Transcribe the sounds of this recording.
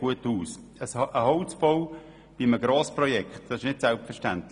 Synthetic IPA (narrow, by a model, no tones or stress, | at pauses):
uətuːs | əsʔəhoʊt͡sb̥oʊ | b̥iməɡɾɑːsprɔjɛkχtd̥ɑsɪʃnɪtsɛlpfɛʃtæntl